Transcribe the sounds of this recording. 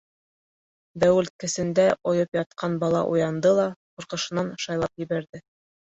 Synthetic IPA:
d̪æwɘ̆lt̪̚kɘ̆sɘ̆nd̪æʔŏjɤpjɑt̪̚qʰɑnbɑlˠɑ̰ʔṵjɑnd̪ɤlˠɑqŭɾqɤ̆ʃɤ̆nɑnʃɑjlˠɑpjɘ̆βæɾðɘ

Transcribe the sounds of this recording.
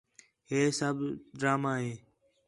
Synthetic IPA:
ɦeːsəbʱɖɾaːmaːɦeː

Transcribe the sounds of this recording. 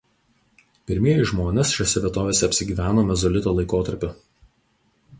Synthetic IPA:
pʲɪɾʲmʲiɛjɪʒmoːnʲeːsʃʲɛsʲɛʋʲiɛt̪oːʋʲeːsʲɛɐpʲsʲɪɡʲiːʋʲæːnoːmʲɛzɔlʲɪt̪oːlˠɐɪkoːt̪ɐɾʲpʲʊ

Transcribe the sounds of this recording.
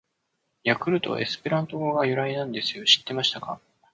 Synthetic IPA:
jakɯ̟ɾɯ̟t̪o̞̰ʔḛsɨ̥pe̞ɾãnt̪o̞ɡoɡajɯ̟ɾainãnd̪e̞sɨ̥jo̞ɕi̥t̪ːe̞maɕi̥t̪aka

